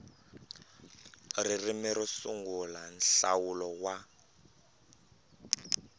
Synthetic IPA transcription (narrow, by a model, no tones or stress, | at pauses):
ririmɛɾisuŋɡulanɬawulɔwa